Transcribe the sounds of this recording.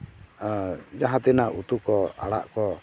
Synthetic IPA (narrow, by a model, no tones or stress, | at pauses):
d͡ʒaɦat̪ɛnaut̪ukɔa̰ɽa̰ʔkɔ